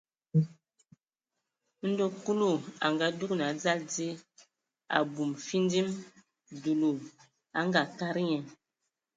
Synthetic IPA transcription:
n̩˦do˦ku˦lu˦˨a̰˨ŋɡa˨˦du˦kna˨˦d͡za˦ld͡zi˦ | a̰˨bu˨mfi˦n˦di˦m | du˨lu˨ | a˦ŋɡa˨ka˦ɾi˦ɲɛ˨

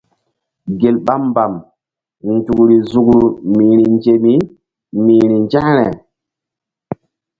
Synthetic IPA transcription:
ɡe˨lɓa˦mba˨m | n˨tu˨kɾi˨zu˨kɾu˨miː˨ɾi˨nd͡ʒe˨mi˦ | mi˨ɾi˨nd͡ʒa˦ɾɛ˨

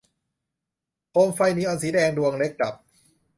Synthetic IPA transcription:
pʰoː˧mfa˧jniː˦˥ʔɔː˧nsiː˩˦dɛː˧ŋdu˧əŋle˦˥k̚ːla˨˩p̚

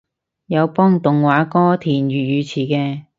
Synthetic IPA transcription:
jɐ˨˧wpɔː˥ŋt̪ʊ˨ŋwaː˨˧˥kɔː˥t̪ʰiː˨˩njyː˨˩jyː˨˧t͡sʰiː˨˩kɛː˧

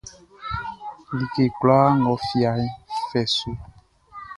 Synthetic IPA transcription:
li˨ke˨kla˦ŋɔ˨fi˨a˨˦fɛ˨so˦

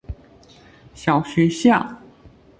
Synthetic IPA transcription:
ɕjɑ˨˩ʊɕɛ˧˥ɕjɑ˥˩

